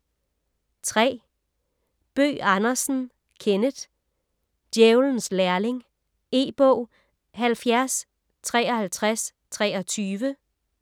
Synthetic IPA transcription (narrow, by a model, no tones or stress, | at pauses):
t͡sʰʁɛ̰ː | b̥ø̰ːɑnɐsn̩ | kʰenəd̥ | d̥jeʊln̩slæɐle̝ŋ | e̝̰ːb̥ɔʊ̰ | ɦælfjæɐs | t͡sʰʁɛːɒ̽hælt͡sʰʁas | t͡sʰʁɛːɒ̽t͡sʰyːʋə